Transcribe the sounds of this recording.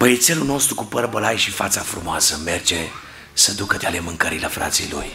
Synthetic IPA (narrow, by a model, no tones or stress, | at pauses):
məjet̪selulno̞st̪ɾukupərbəlajʃifat̪safɾumoasəme̞rd͡ʒe̞ | səd̪ukət̪ealemɨŋkəɾiləfɾʔa̰t̪sḭlṵj